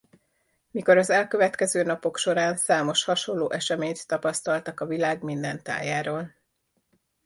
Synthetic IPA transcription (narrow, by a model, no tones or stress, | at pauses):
miko̞ɾɒzɛlkøvɛt̪kɛzøːnɒpo̞kʃo̞ɾaːnsaːmo̞ʃhɒʃo̞llːoːʔɛʃɛmeːɲt̪ːɒpɒst̪ɒlt̪ɒkɒvilaːɡmind̪ɛnt̪a̰ːjaːɾoːl